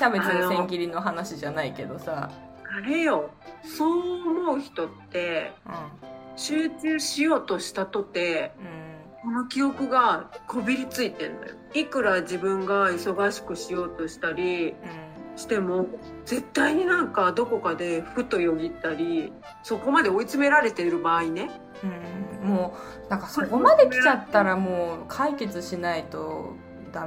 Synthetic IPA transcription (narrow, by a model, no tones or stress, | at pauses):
ɕabẽaesẽŋkʲiɾʲino̞ɦanaɕiʑanaike̞d̪o̞sa | aɾe̞jo̞so̞ːmo̞ɯ̟çi̥t̪o̞t̪ːe̞ | ɕɨːt͡ɕɨːɕijo̞ːt̪o̞ɕi̥t̪at̪o̞t̪e̞ | ko̞no̞kʲio̞kɯ̟ɡakʰo̞bʲiɾʲit͡sɨit̪ẽ̞̰nːo̞̰jo̰ikɯ̟ɾad͡ʑibɯ̟̃ŋɡaiso̞ɡaɕi̥kɯ̟ɕijo̞ːt̪o̞ɕi̥t̪aɾʲĩ | ɕi̥t̪e̞mo̞d͡ze̞t̪ːaiɲ̟inãŋkad̪o̞ko̞kad̪e̞ɸɯ̟t̪ːo̞joɡʲit̪ːaɾʲi | so̞ko̞mad̪e̞o̞it͡sɨme̞ɾaɾe̞t̪e̞ɾɯ̟baːine̞ | ɯ̃moː | nãŋkasokomad̪ekʲit͡ɕat̪ːaɾamoːkʰaike̞t͡sɨɕinait̪o̞ | d̪̥a